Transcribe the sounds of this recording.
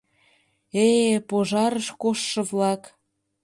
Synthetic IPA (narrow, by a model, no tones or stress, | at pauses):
epoʒɑɾəʃkoʃːɤ̆βlɑk